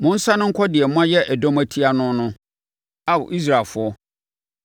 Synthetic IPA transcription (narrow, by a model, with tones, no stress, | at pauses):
mʊ̃˦n̩˦sã˦nʊ̃˦ŋ̩˦kʰɔ˦dɪ˨ɛ˨m˦ã˦jɛ˦ʔæ˨dɔ̃˦mæ˦tʰi˦a˦nʊ̃˦nʊ̃˦ | a˦wʊ̰˨ʔi˦s̬ɾa˨lfʊ˦ɔ˦